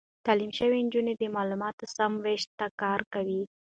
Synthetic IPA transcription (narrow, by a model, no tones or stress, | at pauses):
t̪ɑlimʃəwend͡ʒuned̪əmɑlumɑt̪osamweʃt̪ːakɑɾkawi